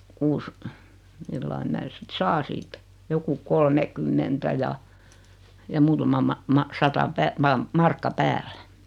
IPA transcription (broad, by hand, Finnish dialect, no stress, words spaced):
kuːs milːɑi mæː sit sɑː siːtæ joku kolmekymːentæ jɑ jɑ muːtɑmɑ mɑ mɑ sɑtɑ pæː mɑ mɑrkːɑ pæːlːæ̥